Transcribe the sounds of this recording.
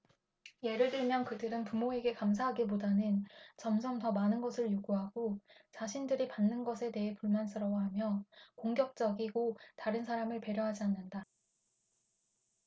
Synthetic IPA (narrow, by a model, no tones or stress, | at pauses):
je̞ɾɯɭdɯɭmjʌnkɯdɯɾɯnpumoe̞ɡe̞kams̬ʰaɦaɡip̬odanɯnt͡ɕʌmsʰʌmtʌmanɯnɡʌsʰɯɭjoɡuɦaɡot͡ɕaɕʰindɯɾipanːɯnɡʌsʰe̞te̞ɦe̞puɭmans͈ʰɯɾʌwaɦamjʌkoŋɡjʌk̚t͡ɕ͈ʌɡiɡotaɾɯnsʰaɾamɯɭpe̞ɾjoɦad͡ʑianːɯnda